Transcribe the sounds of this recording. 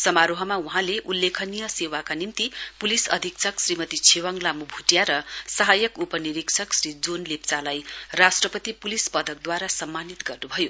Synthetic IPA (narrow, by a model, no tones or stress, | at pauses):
sʌmaɾoɦʌmauɦãleʔulːekʰʌnijʌsewakanimt̪ipulisʌ̰d̪ʱiksʰʌksrimʌt̪it͡sʰewaŋlamubʱuʈjaɾʌsʌɦajʌkupʌniɾiksʰʌksrid͡zonlept͡salajrasʈrʌpʌt̪ipulispʌd̪ʱʌk̚d̪waɾasʌmːanit̪ɡʌrnubʱʌjo